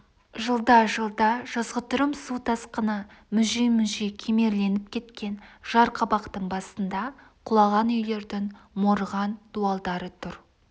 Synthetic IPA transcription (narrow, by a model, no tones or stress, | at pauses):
ʒəlˠd̪ɑʒəlˠd̪ɑʒ̥ɑzʁət̪ʊɾəmsut̪ʰɑsqənɑmʏʒijmʏʒijkʲʰeme̞ɾle̞nɪp̚kʲʰe̞t̪kʲe̞nʒ̥ɑɾqʰɑbɑqt̪əɴbɑsənd̪ɑ | qʰʊlˠɑʁɑnʏjle̞ɾd̪ɪŋmoɾəʁɑnd̪̥uɑlˠd̪ɑɾət̪ʰʊɾ